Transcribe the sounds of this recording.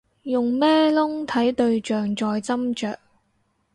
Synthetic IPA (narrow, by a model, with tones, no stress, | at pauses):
jʊ˨ŋmɛː˥lʊ˥ŋt̪ʰɐ˨˥jt̪ɵ˧ɥt͡ʃœː˨ŋt͡sɔː˧jt͡sɐ˥mt͡ʃœː˨k̚